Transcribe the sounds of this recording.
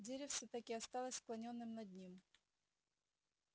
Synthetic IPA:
dʲeɾʲɪfsʲət̪ɐkʲɪɐst̪ɑlˠəsʲsklˠɐnʲo̞nːɨmnɐd̪ʲnʲim

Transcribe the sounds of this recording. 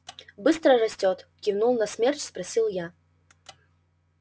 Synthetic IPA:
bɨst̪ɾərɐsʲtʲɔt̪kʲivnulˠnɐsmʲert͡ɕʲspɾɐsʲilˠja

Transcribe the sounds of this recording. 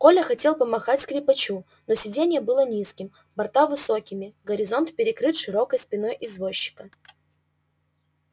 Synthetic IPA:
ko̞lʲəxɐtʲe̞lˠpəmɐxatʲskɾʲɪpɐt͡ɕu | nosʲɪdʲenʲɪjəbɨlˠənʲiskʲɪm | bɐrt̪avɨso̞kʲɪmʲɪɡəɾʲɪzo̞nt̪pʲɪɾʲɪkɾɨt̪ʂɨɾo̞kəjspʲɪno̞jʔɪzvo̞ɕːɪ̥kə

